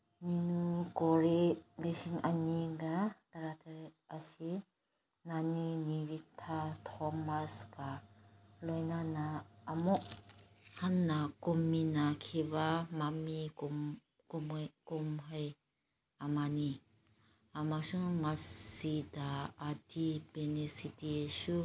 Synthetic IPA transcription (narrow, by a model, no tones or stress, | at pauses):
ninukɔɾelesiŋʔaniɡat̪aɾat̪ʰeɾ̚ʔasi | naniniwit̪ʰat̪ʰɔmaska | lɔjnanaːmɔʔ | hanːakumːinakʰibamamik | kumkʊmɦɐj | amani | amasʊŋmasidaadipenesitisu